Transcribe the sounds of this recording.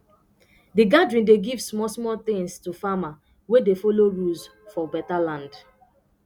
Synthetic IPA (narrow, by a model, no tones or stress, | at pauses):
diɡadɹĩndeɡivsmɔsmɔt̪ɪ̃ŋstufama | wedefoloɹus | fɔbɛtalãnd